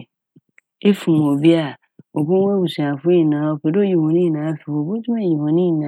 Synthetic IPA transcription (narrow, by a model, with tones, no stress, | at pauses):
e˦fu˨m˨o˨bi˦a˨ | o˨bõ˦e˦bu˨su˨ã˨fʊ˦i˨nãː˨˦o˨ke˨do˦ji˨wɔ̃˨nĩ˦˨nãː˨˦fi˨wo˨bo˦tʰu˦e˦˨ji˨wɔ̃˨nĩ˦˨nã˨˦